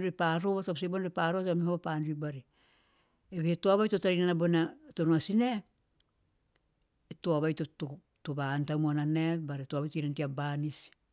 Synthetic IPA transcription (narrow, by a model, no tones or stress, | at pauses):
ɾipaɾoatapsibonɾepaɾoβatoamiɦoβapanibaɾe | eβihetoaβajtotaɾinanabonatonoasine | etoaβajtoo | toβantamuananebaɾetoaβajtoinantiabanisi̥